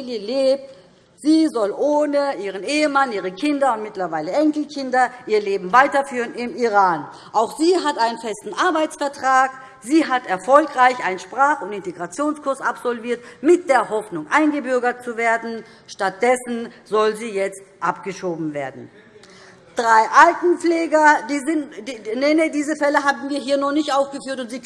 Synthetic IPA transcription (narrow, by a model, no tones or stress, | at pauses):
ljəleːp̚t | z̥iːzɔlʔoːnəʔiːʁ̞əneːəmanʔiːʁ̞əkʰɪndɐʊntmɪtlɐvaɪləʔɛŋkl̩kʰɪndɐʔiːɐleːbm̩vaɪtɐfyːʁənɪmiʁaːn | ʔaʊxz̥iːɦatʔaɪnənfɛstn̩ʔaɐbaɪt͡sfɛɐtʁ̥aːk | z̥iːɦatɛɐfɔlkʁaɪçaɪnənʃpʁ̥aːχʊntɪnteɡʁat͡sjoːnskʰʊɐsapz̥ɔlviːɐtmɪt̚d̥eːɐhɦɔfnʊŋʔaɪnɡəbʏɐɡɐtt͡suveːɐdn̩ | ʃtat̚d̥ɛsn̩zɔlziːjɛt͡stʔapɡ̥əʃoːbm̩veːɐdn̩ | d̥ʁaɪʔaltn̩p͡fleːɡɐɪnenediːzəfɛləɦaːbm̩viːɐɦiːɐnɔnɪçtʔaʊfɡ̥əfyːɐtʊntz̥iː